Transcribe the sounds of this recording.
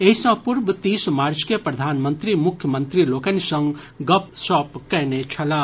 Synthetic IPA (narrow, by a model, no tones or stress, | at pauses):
eɦisə̃pʊɾbt̪iːsmaːɾt͡ʃkepɾɐd̪ʱaːnmə̃nt̪ɾimʊkʰjəmə̃nt̪ɾiloːkenisə̃ŋɡ | ɡɐpsɔːpkɛːnet͡ʃʰɐlaː